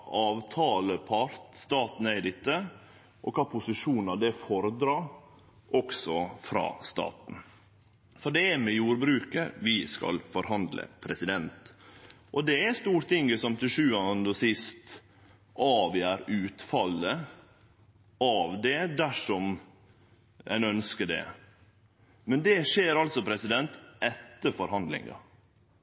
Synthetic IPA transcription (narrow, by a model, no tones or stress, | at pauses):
ɑːʋt̪ʰɑːləpʰɑɾt̪st̪ɑːt̪n̩əæɪd̪ɪt̪ːə | ʔɔkʰɑːpʰʊsɪʂuːnɑd̪ɛfɔɾəd̪ɾɑːɾ | ʔɔksɔfɾɑ̰ːst̪ɑ̰ːt̪n̩ | fɔɖɛæmɛjuːɾbɾʉːkəʋɪskɑ̰lfɔɾhɦɑnd̪lʔə̰pʰɾɛsɪd̪ɛnt̪ | ʔɔd̪ɛæst̪uːɾt̪ɪŋɡəsɔmt̪ʰɪʂʉːɑnd̪ɔsɪst̪ | ʔɑːʋjæːɾʉːt̪fɑlːə | ɑʋd̪ɛd̪æʂɔm | ʔæ̰ɪnœnskəɖɛ̰ | mɛnd̪ɛʂeːɾɑlt̪sɔpʰɾɛsɪd̪ɛnt̪ʔɛt̪ːəɾfɔɾɦɑnd̪lɪ̰ŋɑ̰